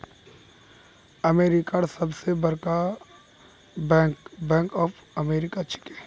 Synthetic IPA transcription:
ɐmeːɾɪkaɽsɐbsebɐɾka | bɛ̃ːŋkɔːfɐmeːɾɪkat͡ʃʰɪ̥ke̥ː

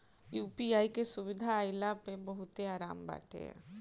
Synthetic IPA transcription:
juːpiaːikesʊʋɪd̪ʱaːjlapebɐɦʊt̪eaːɾaːmba̰ːʈḛɦɛ̰̃ː

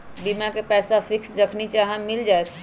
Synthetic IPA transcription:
bimakepɛsapʰiksd͡ʒəkʰnit͡ʃaɦɛmild͡ʒaet̪ʰ

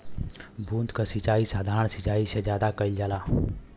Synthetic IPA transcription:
bʱuːnt̪kasɪt͡ʃaːisaːd̪ʱaːɾəɳsɪt͡ʃaːised͡ʒjaːd̪akəid͡ʒalaː

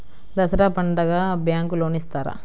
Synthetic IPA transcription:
d̪ɐsɐɾaːpɐɳɖɐɡaːbjaːŋkuloːnist̪aːɾa̰

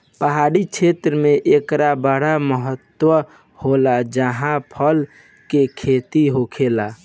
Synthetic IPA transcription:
pəɦaɽikt͡ʃʰet̪ɾəmeʔekɾabəɽaməɦət̪ːwə | holad͡ʒəɦãpʰəl | kekʰet̪iɦokʰela

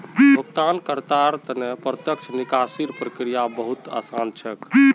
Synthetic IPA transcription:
iokt̪ankəɾt̪aɾt̪ənepɾət̪jəkt͡ʃʰnikasiɾpɾəkɾijabəɦut̪a̰sant͡ʃʰɛki

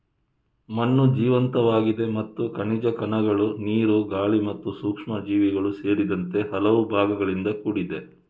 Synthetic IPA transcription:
mɐnːud͡ʒiːʋɐnt̪ɐʋaːɡid̪e̞mɐt̪ːukɐɳid͡ʒɐkɐnɐɡɐɭuniːɾuɡaːɭimɐt̪ːusuːkʂmɐd͡ʒiːʋiɡɐɭuse̞ːɾid̪ɐnt̪e̞ɦɐlɐʋubʱaːɡɐɡɐɭind̪ɐkuɽid̪e̞

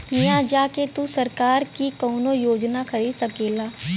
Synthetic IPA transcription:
mɪjãːd͡ʒaːket̪usəɾkaːɾkiːkɔːnoːjoːd͡ʒnaːkʰəɾiːsəkeːlaː

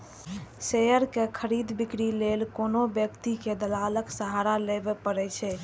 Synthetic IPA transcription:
sejəɾkekʰəɾid̪bikɾilelkonobjəkt̪iked̪əlaləksəɦaɾalebepəɾɛt͡ʃʰɛ

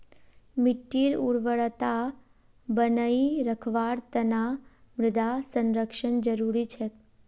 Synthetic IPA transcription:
miʈːiɾuɾʋəɭt̪a | bənəiɾəkʰʋaɾt̪əna | mɾɪd̪asənɾəkʃənd͡ʒəɾuɾit͡ʃʰe

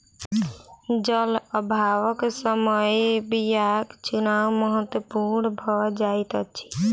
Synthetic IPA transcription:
d͡ʒələbʱawəksəməjbijakt͡ʃunawməɦət̪wəpuɾnbʱɔd͡ʒajt̪ət͡ʃʰi̥

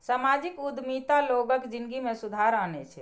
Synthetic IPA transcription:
samad͡ʒikud̪mit̪aloɡəkd͡ʒinɡimesud̪ʱaɾanɛt͡ʃʰɛ

